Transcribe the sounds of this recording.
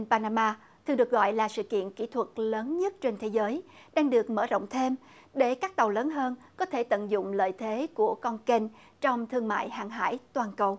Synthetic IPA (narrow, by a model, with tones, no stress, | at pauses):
npaː˧naː˧maː˧ | t̪ʰɨ˨˩ɗɨ˨˩ək̚ɣɔ̰˧˨jlaː˨˩sɨ̰˧˨kḭ˧˨ənki˧˩˥t̪ʰwə˨˩t̚ləː˨˦nɲə˦˥t̚t͡ɕe˧nt̪ʰe˨˦zəː˨˦j | ɗaː˧ŋɗɨ˨˩ək̚məː˧˩zo̰˧˨wŋ͡mt̪ʰe˧m | ɗe˧˩kaː˦˥k̚t̪ə˨˩wləː˨˦nɦəː˧nkɔ˨˦t̪ʰe˧˩t̪ə̰˧˨nzʊ̰˧˨ŋ͡mlə̰ː˧˨jt̪ʰe˨˦ku˧˩əkɔ˧nke˧n | t͡ɕɔ˧wŋ͡mt̪ʰɨ˧əŋma̰ː˧˨jha̰ː˧˨ŋɦa̰ː˧˥jt̪waː˨˩nkə˨˩w